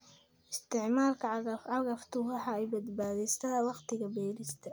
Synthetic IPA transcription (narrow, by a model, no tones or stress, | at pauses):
ʔɪst̪ɪʕmaːlkʰɐʕɑɣɐft̪ʰʊwɑħɑɛjbɐd̪baːðɛst̪ʰaːwɑqt̪ʰɪɣɐbɛːlɪst̪ʰɐ